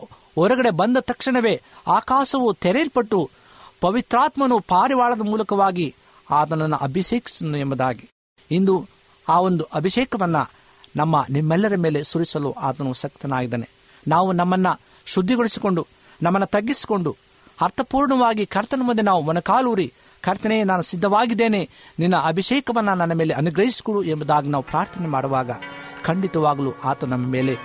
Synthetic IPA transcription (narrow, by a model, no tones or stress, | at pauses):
ɔɾɐɡɐɽe̞bɐnd̪ɐt̪ɐkʂiɳɐʋe̞ːaːkaːʃɐʋut̪ɛɾeilpɐʈːu | pɐʋit̪ɾaːt̪mɐnupaːɾiʋaːɭɐd̪ɐmuːlɐkɐʋaːɡi | aːt̪̬ɐnɐnːuʔɐbʱiʃeːki̥sinuɛmbɐd̪aːɡi | ind̪u | aːo̞nd̪uʔɐbʱiʃɛːkɐʋɐnːɐ̰ | nɐmːɐnimːɛlːɐɾɐmeːle̞suɾisɐluːʔaːt̪ɐnusɐk̚t̪ɐnaːɡid̪ɐːne | naːʋunɐmːɐnːɐ | ʃud̪ʱːiɡoɭisi̥ko̞ɳɖu | nɐmːɐnːɐt̪ɐɡːisi̥ko̞ɳɖu | hɐɾt̪ɐpuːɾɳɐʋaːɡikʰɐɾt̪ɐnɐmund̪inaːʋumonɐkaːluːɾi | kʰɐɾt̪ɐnɛjenaːnusid̪ʱːɐʋaːɡid̪ːeːneninːɐɐbʱiʃɛːkɐʋɐnːɐnɐnːɐme̞ːleɐnuɡɾɐɦisi̥koɽuembud̪aːɡinaːʋupɾaːɾt̪ʰɐnemaːɽuʋaːɡɐkɐɳɖit̪ɐʋaːɡɐluʔaːt̪ɐnɐmːɐme̞ːle̞